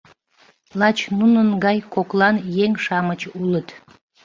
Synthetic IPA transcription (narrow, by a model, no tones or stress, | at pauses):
lɑt͡ɕnunənɡɑjkoklɑnjeŋʃɑmət͡ɕulət̪